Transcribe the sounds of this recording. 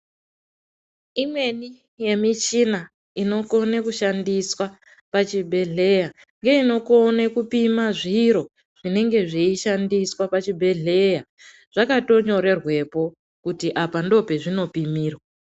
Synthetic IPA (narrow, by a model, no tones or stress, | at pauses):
imwe̞ni | je̞mit͡ʃina | ino̞ko̞nekuʃandiswa | pat͡ʃibʱe̞ɮe̞ja | ŋɡe̞ino̞ko̞nekupimaʐiɾo̞ | ʐ̥ine̞ŋɡe̞ʐiiʃandiswapat͡ʃibʱe̞ɮe̞ja | ʐ̥akato̞ɲo̞ɾe̞rwe̞po̞ | kutiʔapando̞pe̞ʐino̞pimiːrwa